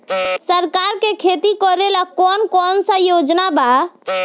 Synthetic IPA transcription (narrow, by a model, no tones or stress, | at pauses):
səɾkaːɾkekʰet̪ikɔɾelakɔːnkɔːnsəjoːd͡ʒnaba